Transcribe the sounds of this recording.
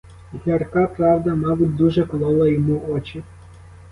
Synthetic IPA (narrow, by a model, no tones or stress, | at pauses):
ɦʲɐrkɑpɾɑwd̪ɐmɑbʊt̚ʲd̪uʒɛklˠɔlˠɐjɔmuʔɔt͡ʃʲi